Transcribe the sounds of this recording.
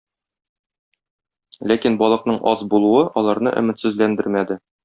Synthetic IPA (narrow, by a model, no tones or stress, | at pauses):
lækinbɒlˠɤ̆qnɤɴʔɒzbulˠuɤʔɒlˠɑɾnɤ̰ʔɵ̰̆mɘ̆t̪sɘ̆zlænd̪ɘɾmæd̪ɘ